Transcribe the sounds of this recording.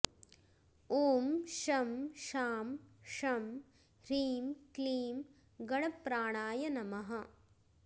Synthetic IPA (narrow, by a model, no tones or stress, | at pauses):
oːmʂɐmʃaːmʂɐm | ɾiːmkliːm | ɡɐɽɐpɾaːɳaːjɐnɐmɐɦɐ